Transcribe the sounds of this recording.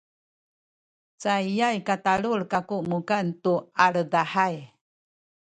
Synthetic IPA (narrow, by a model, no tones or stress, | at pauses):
t͡saijajkataluɭkakuʔmukantuaɭədaħaj